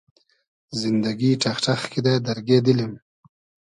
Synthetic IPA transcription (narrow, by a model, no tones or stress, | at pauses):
zɪnd̪aɡiʈ͡ʂaxʈ͡ʂaxkid̪ad̪aɾɡed̪əlim